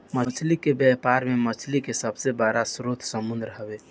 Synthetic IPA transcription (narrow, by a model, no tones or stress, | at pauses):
mət͡ʃʰlikebjɛpaɾmemət͡ʃʰlikesəbsebəɾasɾot̪ʰsəmund̪ɾəɦəbe